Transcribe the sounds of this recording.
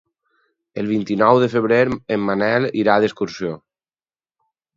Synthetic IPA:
əlˠβint̪inɔwðəfəβɾeɾemːanɛliɾaðeskuɾsjo

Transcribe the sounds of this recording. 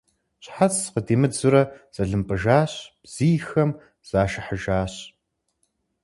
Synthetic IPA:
ɕħat͡sqədeːmɨzʊɾɐz̥ɐɮɨmpʼɨʒaːɕb̥z̥iːxɐm | z̥aːʃɪħəʒaːɕ

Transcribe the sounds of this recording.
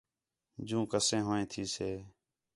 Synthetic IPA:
d͡ʒũːkəsẽːɦoːẽːt̪ʰiːseː

